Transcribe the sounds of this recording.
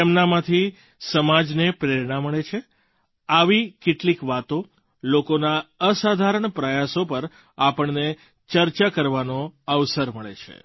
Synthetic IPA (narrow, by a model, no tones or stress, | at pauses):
emnamãt̪ʰi | səmad͡ʒnepɾeɾɳ̃aməɭet͡ʃʰe | aʋikeʈlikʋat̪o | lokonaəsad̪ʱaɾəɳpɾəjasopəɾ | apəɳne | t͡ʃəɾt͡ʃakəɾʋanoəʋsəɾməɭḛt͡ʃʰḛ